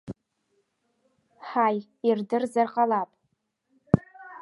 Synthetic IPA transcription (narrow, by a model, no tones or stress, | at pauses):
ħaj | irdɨrzarqʼalapʼ